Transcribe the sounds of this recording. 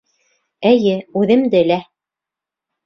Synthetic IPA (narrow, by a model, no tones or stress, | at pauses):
ɘ̆jɘʉðɘ̆md̪ɘlæ